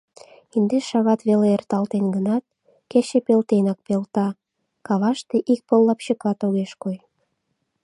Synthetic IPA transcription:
ind̪eʃɑβɑt̪βeleert̪ɑlt̪enɡənɑt̪̚ | keɕepelt̪enɑk̚pelt̪ɑ | kɑβɑʃt̪eʔik̚pəlːɑpɕəkɑt̪oɣeʃkoj

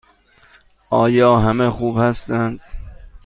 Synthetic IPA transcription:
ʔɒːjɒːɦæmexuːbhæst̪ænd̪̥

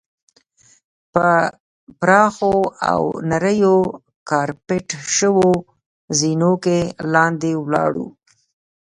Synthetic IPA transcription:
pə | pɾɑxoa̰wnaɾəjo | kɑɾpɪʈʃəwo | zinokelɑnd̪ewlɑ̰ɽṵ

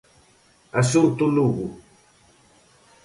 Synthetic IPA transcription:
asunt̪uluɣu

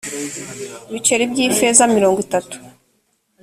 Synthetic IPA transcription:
βit͡ʃe̞ɾibɟiːfezamiɾoːŋɡwitatu̥

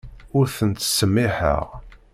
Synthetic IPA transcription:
ʊɾθənt̪ːsːəmːiħə̰ʁ

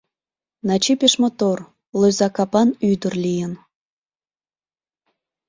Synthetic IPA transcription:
nɑt͡ɕipʲeʃmot̪or | løzɑkɑpɑnyd̪ərlʲijən

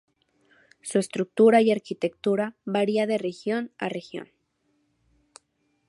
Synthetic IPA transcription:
suest̪ɾuk̚t̪uɾaiaɾkit̪ek̚t̪uɾaβaɾiaðerexjona̰rexjo̰n

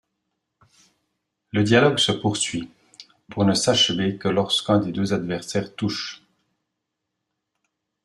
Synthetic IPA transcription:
ləd̪jalɔɡsəpuʁsɥi | puʁnəsaʃvekəlɔʁskɛ̃d̪ed̪øzad̪vɛʁsɛːʁt̪uʃ

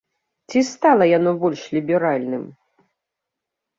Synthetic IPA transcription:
t͡sʲist̪alˠɐjanɔbɔlʲʂlʲibʲɛɾalʲnɨm

